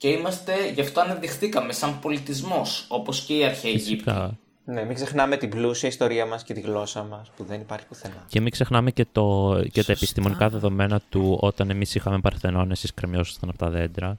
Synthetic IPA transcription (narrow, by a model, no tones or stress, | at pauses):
ce̞imɐst̪e̞ʝɐft̪o̞ɐnɐðixθikɐme̞sɐmpo̞lit̪izmo̞so̞po̞sce̞iɐɾçeeʝiptkɐ | nemikse̞xnɐme̞t̪iblusiɐist̪o̞ɾiɐmɐsce̞t̪iɣlo̞sɐmɐspuðe̞nipɐɾçi̥kuθenɐce̞mikse̞xnɐmece̞t̪oceɐepist̪imo̞nikɐðe̞ðo̞me̞nɐt̪uo̞t̪ɐne̞misixɐme̞pɐɾθenonesiskɾemjo̞sost̪ɐnɐpot̪ɐðe̞nd̪ɾɐ